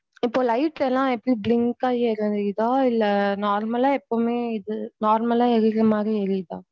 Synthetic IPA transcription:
ɪpːoːlɐɪʈlɛlːãːɛpːɐɽiblɪŋkaːɛɾɯɪðaːɪlːɛnaːɾmɐlaːɛpːomeːɪðɯnaːɾmɐlaːɛɾɪkɾɐmaːd̪ɾiɛɾɪða̰ː

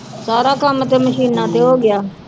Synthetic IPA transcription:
saːɾaːkəmt̪eːməʃiːnãːt̪eːɦoːɡɪjaː

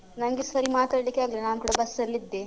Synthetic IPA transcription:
nɐŋɡisʋɐɾimaːt̪aːɖlikːeaːɡlenaːnkuɽabɐsːɐɾlid̪ːe

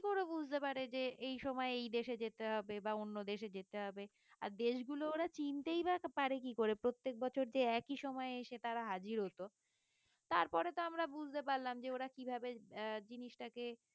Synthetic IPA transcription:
koɾebud͡ʑʱt̪epaɾed͡ʑeʔejʃɔmɔeejd̪eʃed͡ʑet̪eɦɔbebaonːod̪eʃed͡ʑet̪eɦɔbe | a̰ɾd̪eʃɡulooɾat͡ɕint̪ejbapaɾekikoɾepɾot̪ːek̚bɔt͡ɕʰoɾd͡ʑeɛkiʃɔmɔeeʃet̪aɾaɦad͡ʑiɾɦot̪o | t̪aɾpɔɾet̪oamɾabud͡ʑʱt̪epaɾlamd͡ʑeoɾakibʱabed͡ʑiniʃʈake

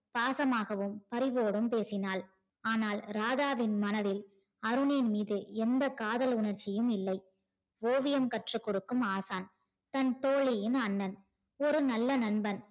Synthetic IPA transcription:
paːsɐmaːɣɐʋɯmpɐɾɪʋoːɽɯmpeːsɪnaːl | aːnaːlɾaːðaːʋɪnmɐnɐðɪl | ɐɾɯneːnmiːðɯɛnd̪ɐkaːðɐlʊɳɐɾt͡ʃːɪjɯmɪlːɐɪ | ʋoːʋɪjɐmkɐʈrɯkːɔɽɯkːɯmaːsaːn | t̪ɐnt̪oːɭɪjɪnɐnːɐn | ɔɾɯnɐlːɐnɐnbɐn

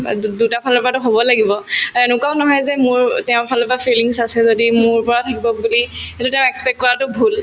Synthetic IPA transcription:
dutapʰalɔpɔɹatʊɦobɔlaɡibɔɛnʊkaʊnɔɦɔjzɛmʊɹtɛʊ̃pʰalɔpɔapʰiliŋsasɛzodimʊɹpɔɹatʰakibɔbulihetʊtɛʊ̃ɛkspɛk̚kːɔɹatʊbʱul

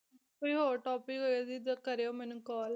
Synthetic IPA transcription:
koiɦoːʈɔːpɪkɦoːd̪iːd̪kəɾeoːmɛːnũːkɔːl

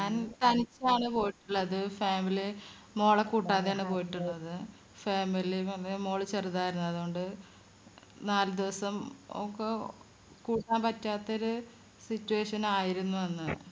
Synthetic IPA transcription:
ɲaːnt̪ɐnit͡ɕːaːɳɨpo̞ːjiʈːuɭːɐðɨfaːmili | mo̞ːɭɐkːuːʈːaːðejaːɳɨpo̞ːjiʈːuɭːɐðɨ | feːmiliɐlːemo̞ːɭɨt͡ɕeruðaːjiɾunːɐðuo̞ɳɖɨ | naːlɨd̪iʋɐsɐmo̰kːe | kuːʈːaːmpɐtːaːt̪ːoɾu | sitːueːʂɐnaːjiɾunːuʋɐnːɨ

